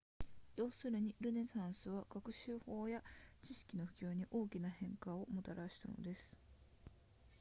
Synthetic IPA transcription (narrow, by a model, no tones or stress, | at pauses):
jo̞ːsɨɾɯ̟ɲ̟iɾɯ̟ne̞sãɰ̃sɨβaɡ̥akɯ̟ɕɨːho̞ːjat͡ɕiɕi̥kʲino̞ɸɯ̟kʲoːɲ̟iʔo̞ːkʲinahẽ̞ŋkao̞mo̞t̪aɾʔaɕi̥t̪a̰no̞̰d̪e̞sɨ̥